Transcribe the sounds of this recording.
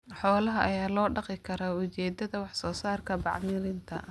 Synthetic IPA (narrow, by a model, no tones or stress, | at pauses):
ħɔːlɐɦɐʔɐjaːlɔːɖɑqɪkʰɐɾɐʊt͡ʃɛːd̪ɐðɐwɑħsɔːsaːrkʰɐbɑ̰ʕmɪlɪnt̪ʰɐ̰